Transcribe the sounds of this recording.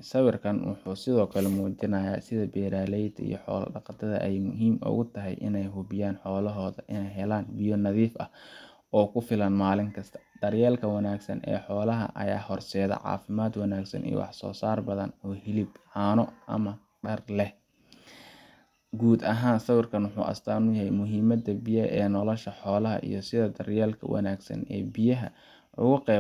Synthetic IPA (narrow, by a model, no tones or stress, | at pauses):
sɐwɪrkʰɐnwʊ̰ħuːsɪðɔːkʰɐlɛmuːt͡ʃɪnɐjaːsɪðɐbɛːɾaːlɛjd̪ʰḭjɔħɔ̰ːlɐ̰ɖɑqɑt̪ʰɐðɐ̰ʔɛjmʊɦiːmʊ̰ɣʊt̪ʰɐɦɛ̰jʔɪ̰nɛjɦʊβɪjaːnħɔːlɐɦɔːðɐʔɪnɛjɦɛlaːnbɪjɔnɐðiːfʔɐ̰h | ɔːkʰʊfɪlɐnmaːlɪŋkʰɐst̪ʰɐ̥d̪̥ɐrjɛːlkʰɐwɐnaːɡsɐ̰nʔɛ̰ːħɔːlɐɦɐ̰ʔɐ̰ja̰ːhɔrsɛːðɐ̰ʕɑ̰ːfɪmaːd̪wɑnaːɡsɐ̰nḭj̰wɑ̰ħsɔ̰ːsaːrbɐðɐnɔːhɪlɪbhaːnɔʔɐ̰mɐ | ɖɐrlɛh | ɡuːd̪ɐɦaːnsɐwɪrkʰɐnwʊħṵːʔɐ̰st̪ʰaːnʊjɐɦɛjmʊɦiːmɐd̪ɐbijɐɛːnɔlɔʃɐħɔːlɐɦɐ̰ʔḭjɞsɪðɐd̪ɐrjɛːlkʰɐ̰wɐ̰naːɡsɐ̰nɛ̰ːbɪjɐɦɐ | ʔʊ̰ɣʊqɛ